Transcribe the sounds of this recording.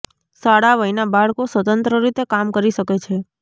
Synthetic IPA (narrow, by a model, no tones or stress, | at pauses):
saɽaʋəinabaɭkosʋət̪ənt̪ɾəɾit̪ekamkəɾiʃəket͡ʃʰe